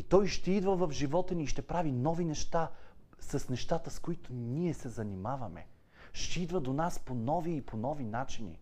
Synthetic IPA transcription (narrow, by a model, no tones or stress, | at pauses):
it̪ɔjʃt̪ɛid̪vəvɐfʒivɔt̪əniːʃt̪ɛpɾavinɔvinɛʃt̪a | sɐsnɛʃt̪at̪əskoit̪ʊniɛsɛzɐnimavɐmɛ̰ | ʃt̪ɛid̪vəd̪onasponɔviːponɔvinat͡ʃinḭ